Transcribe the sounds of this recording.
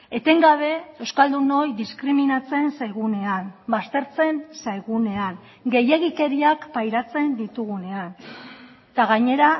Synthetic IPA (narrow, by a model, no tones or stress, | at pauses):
e̞t̪eŋɡaβ̞e̞e̞wskald̪uno̞jðiskɾiminat͡se̞nsajɣune̞anbast̪e̞ɾt͡se̞nsajɣune̞aŋ | ɡe̞je̞ɣ̞ike̞ɾiakpajɾat͡se̞nd̪it̪uɣ̞une̞an | t̪aɣaɲe̞ɾa